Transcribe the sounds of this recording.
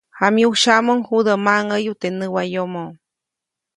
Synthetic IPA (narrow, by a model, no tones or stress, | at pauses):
hamiuʃamoŋhud̪amaŋəjut̪enəwajomo